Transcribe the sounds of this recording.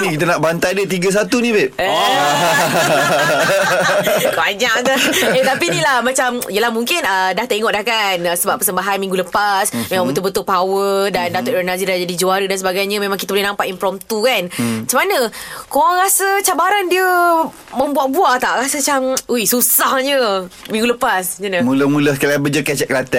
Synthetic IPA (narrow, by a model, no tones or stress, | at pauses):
nikit̪ənaʔbant̪ajdət̪iɡəs̬at̪unĩbɛt̪̚ | baɲak̚t̪əet̪apinilahmat͡ʃamijəlahmuŋkɪnədaht̪əiŋɔʔ̪̚dahkanəsəbapəsəmbaɦanmĩŋɡuləpasmẽmãŋbənt̪ʊbət̪ʊʔpawədandat̪ɔʔɾanazidad͡ʒadid͡ʒuaɾədans̬əbaɡajɲəmẽmãŋkit̪əbolehnampaʔ̪impɾɔmt̪ukanmat͡ʃəmanəkowaŋɾasət͡ʃabaɾandiə | mə̃mbuaʔ̚buaʔt̪aʔɾasət͡ʃamujsusahɲəmĩŋɡuləpasɲənəmũləmũləskalabəd͡ʒəkɛt͡ʃɛʔ̚kəlat̪ɛʔ